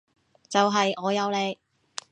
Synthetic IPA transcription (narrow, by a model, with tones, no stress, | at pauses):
t͡sɐ˨wɦɐ˨jɔː˨˧jɐ˨˧wle˨˧j